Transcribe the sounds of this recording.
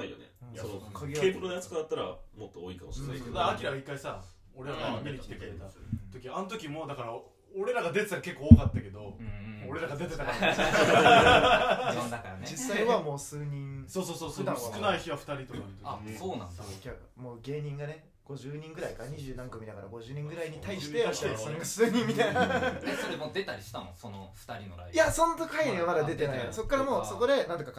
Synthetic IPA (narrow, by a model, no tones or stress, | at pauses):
aijo̰nḛookʰaɡʲikeːpɯɾonojat͡sɨ̥kad̪at̪ːaɾa̰mot̪ːooːikamosit̪ad̪aːkʲiɾaɡaikːaisa | o̞ɾe̞ɾaɡaːeɲʲiki̥t̪ekɯ̟ɾet̪at̪o̞kʲiaanot̪̬o̞kʲimo̞ːd̪akaɾa | oɾe̞ɾaɡad̪e̞t̪eɨ̥t̪aake̞kːoːkat̪ːake̞d̪o̞moːɾe̞ɾaɡad̪e̞t̪ekaɾa | sakad͡ʑisːaaiβamo̞ːsɨːɲ̟ĩɴsoːsoːsoːsd̪assɨkɯnaiçiβaɸɯ̥t̪aɾʲit̪o̞na̰ɾɯ̟t̪oasoːnã̰nd̪akʲa | moːɡe̞ːɲ̟ĩŋɡane̞ | ɡ̥o̞ʑɨːɲ̟ĩŋɡɯ̟ɾaikaɲ̟iʑɨːnãŋkɯmʲid̪akaɾa̰ɡo̞ʑɨːɲ̟ĩŋɡɯ̟ɾaiɲ̟it̪aiɕit̪easãŋɡasɨːɲ̟ĩmmʲːit̪ainasoɾemoːd̪e̞t̪aɾʲiɕi̥t̪amõsonoɸɯ̥t̪aɾʲino̰ɾaijaso̞not̪okaiɲʲiamad̪ad̪e̞t̪e̞naiso̞kːaɾamo̞ːso̞ko̞d̪e̞nãnt̪oka